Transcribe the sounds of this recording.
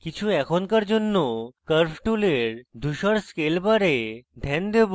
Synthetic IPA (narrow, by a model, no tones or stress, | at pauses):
kit͡ɕʰuɛkʰonkaɾd͡ʑonːokəɾpʰʈuleɾd̪ʱuʃaɾskelbaɾed̪ʱɛnd̪eb